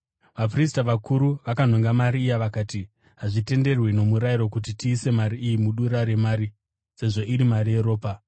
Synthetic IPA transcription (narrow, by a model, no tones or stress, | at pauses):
ʋap̬ristaʋakuɾuʋakan̤oŋɡamaɾiːjaʋakaːti | ɦaʐite̞nde̞rwino̞muɾaiɾo̞kut̬itiːse̞maɾiʔːjimuɗuɾaɾe̞maːɾi | se̞ʐo̞ʔiɾimarije̞ɾo̞ːpa